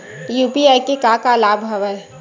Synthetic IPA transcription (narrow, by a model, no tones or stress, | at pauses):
juːpiajkekakalaːbʱɦəʋə